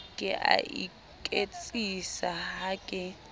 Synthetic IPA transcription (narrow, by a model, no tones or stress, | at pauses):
kʼɛʔa̰ʔḭ | kʼet͡sʼisaɦaːkʼɪ